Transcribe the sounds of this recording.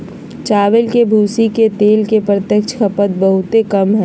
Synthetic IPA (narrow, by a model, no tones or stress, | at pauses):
t͡ʃaːʋɪlkebʱuːsiket̪eːlkepɾət̪jəkʃxʰɐpət̪̚bɐɦʊt̪ekɐmɦɛː